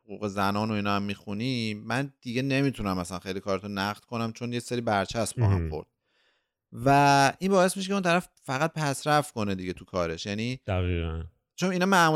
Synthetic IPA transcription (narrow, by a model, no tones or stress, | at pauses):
hoɣuːɣe̞zænɒːno̞inɒːæmːixunimænd̪̥iɡe̞ne̞mit̪ʰunæmæslænxejlikʰɒːɾet̪ʰonæʁd̪̥̚kʰo̞næmt͡ʃʰo̞njecseɾiːbæɾt͡ʃʰæsmbbɒ̰ːɦæ̰mxo̞̰ɾd̪̥̚ | væinbɒːe̞smiʃecʰʲeunt̪ʰæɾæf | fæɣæt̪̚pʰæsɾæfko̞ned̪iɟe̞t̪ʰukʰɒːɾe̞ʃjæniːd̪̥æɣiːɣæn | t͡ʃʰo̞ninɒmæmu